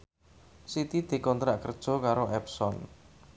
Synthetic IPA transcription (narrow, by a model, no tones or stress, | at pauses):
sit̪id̪̥e̤kɔnt̪ɾaʔkərd̥ʒ̥ɔ̤kaɾoʔɛpsɔn